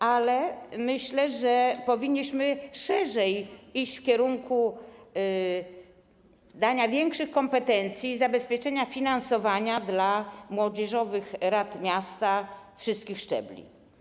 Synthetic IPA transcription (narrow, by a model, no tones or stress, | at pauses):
alɛmɘɕlɛʐɛpɔvʲiɲːiɕmɘʂɛʐɛjiɕt͡ɕfkʲɛɾuŋku | d̪aɲavʲjɛŋkʂɘxkɔmpɛt̪ɛnt̪sʲjiːzabɛspʲjɛt͡ʂɛɲafʲinansɔvaɲad̪lamwɔd͡ʑɛʐɔvɘxɾat̪mʲjast̪afʂɨst̪kʲixʂt͡ʂɛ̰blʲḭ